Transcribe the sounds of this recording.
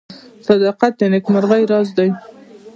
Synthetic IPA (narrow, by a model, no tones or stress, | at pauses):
sɑd̪ɑqat̪̚ːanɪkmaɾɣajɾɑzd̪aj